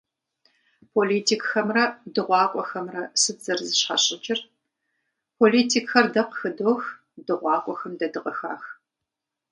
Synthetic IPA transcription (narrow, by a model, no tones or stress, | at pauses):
pʰoliːtʰiːkʼxɐmrɐdɨʁʷɑːkʷʼɔxɐmrɐsɨzɐrzɨɕħaɕʼɪt͡ʃʼɪr | pʰoliːtʰiːkxɐrdɐqxɨdoːx | dɨʁʷɑːkʷʼɔxɐmdɐdɨqʼɐxa̰ːx